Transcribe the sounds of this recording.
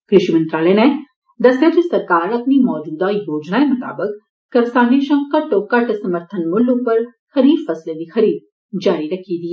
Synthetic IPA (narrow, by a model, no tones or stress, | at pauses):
kɾɪʃimɐ̃nt̪ɾaːlene | d̪ɐsjad͡ʒesɐɾkaːɾɐt̪nimɔːd͡ʒuːd̪ajoːd͡ʒnaemʊt̪a̰ːbəkː | ɐɾsaːniʃɐ̃ŋkkaʈoːkaʈesɐməɾt̪ʰənmʊlːõpɐɾ | xɐɾiːɾfɐsled̪ixɐɾiːd̪̚ | d͡ʒaːɾiɾɐkʰid̪iɛ